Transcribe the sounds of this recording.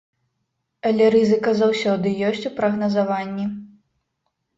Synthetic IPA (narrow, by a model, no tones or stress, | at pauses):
ɐlʲɛɾɨzɨkɐzawsʲɔd̪ɨjɔsʲt͡sʲupɾɐɣnɐzavanʲːi